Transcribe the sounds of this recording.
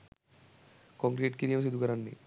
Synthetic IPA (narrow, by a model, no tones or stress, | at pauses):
kɔŋkɾiʈkiɾijɐms̬id̪ʱukɐɾanːḭ